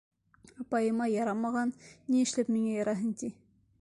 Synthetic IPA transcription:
ɑpɑjɤ̆mɑjɑɾɑmɑʁɑnniɘ̆ʃlæpmiŋæjɑɾɑɦɤŋt̪i

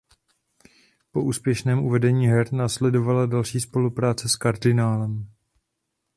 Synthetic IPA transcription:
po̞ʔuːspjɛʃnɛːmʔuvɛdɛɲiːɦɛɾnaːslɛdo̞valadalʃiːspo̞lupɾaːt͡sɛskaɾdɪnaːlɛm

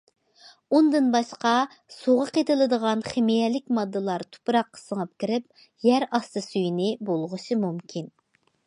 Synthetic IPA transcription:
und̪ɨnbɑʃqɑ | soʁəqʰet̪ʰɨlˠɨd̪əʁɑnχemijɛlɪk̚ʲmɑd̪ːɨlˠɑɾt̪ʰu̥pɾɑqːə̥səŋəp̚kʲiɾɪp̚ | jæɾɑst̪ɨsyjnɪbolˠʁʊʃɨmumkʲʰin

